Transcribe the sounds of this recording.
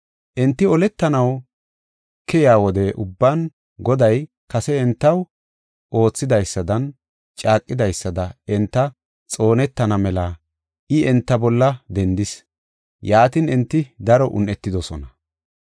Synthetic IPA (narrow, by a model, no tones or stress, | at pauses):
ʔɛnt̪ːɪɔlɛt̪ːɐnɐw | kːɛjaːwɔd̪ɛʔʊbːan | ɡɔd̪ɐj | kɐsɛːnt̪ːɐw | ʔo̞ːt͡sːɪd̪ɐjsːɐd̪ɐn | t͡ʃʼaːkʼːɪd̪ɐjsːɐd̪ɐɛnt̪ːɐ | t͡sʼo̞ːnɛt̪ːɐnɐmɛla | ʔɪɛnt̪ːɐbɔlːɐd̪ɛnd̪ɪs | jaːt̪ɪnɛnt̪ːɪd̪ɐɾɔʔʊ̰nːɛt̪ːɪd̪ɔsɔnɐ